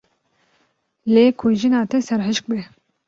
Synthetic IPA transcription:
leːkʰuʒinɑːt̪ɛsɛɾɦɨʃk̚bɛ

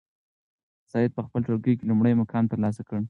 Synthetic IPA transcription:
sɑjɪd̪̚pəxpəlʈ͡ʂoɾɡəjkelumɽəjmakʰɑnt̪əɾlɑs̬akəɽ

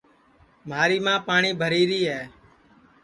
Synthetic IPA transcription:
maːɾiːmãːpaːɳiːbʱəɾiːɾiːɦɛː

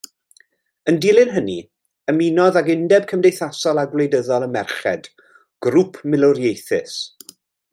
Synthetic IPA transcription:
əndɪlˠɪnɦənḭ | əminɔðaɡɪndɛb̚kʰəmdejθasɔlˠaɡwlejdəðɔlˠəmɛrχɛ̰d | ɡ̥ɾupʰmɪlˠʊɾjejθɪs

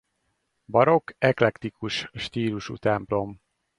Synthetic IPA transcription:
bɒɾo̞kʰɛklɛkt̪ikuʃʃt̪iːluʃṵt̪ɛmplo̞m

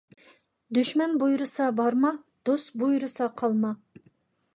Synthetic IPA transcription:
d̪yʃmɛnbujɾɨsɑbɑɾmɑ | d̪̥osbujɾɨsɑqʰɑlˠmɑ

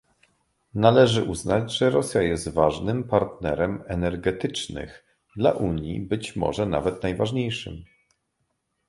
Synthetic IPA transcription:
nalɛʐɘʔuznad͡ʑʐɛɾɔsʲjajɛst̪vaʐnɘmpaɾt̪nɛɾɛmɛnɛɾɡɛt̪ɘt͡ʂnɘ̰ɣ | d̪laʔuɲjḭbɘt͡ɕmɔ̰ʐɛna̰vɛt̪najvaʐɲejʂɘ̰m

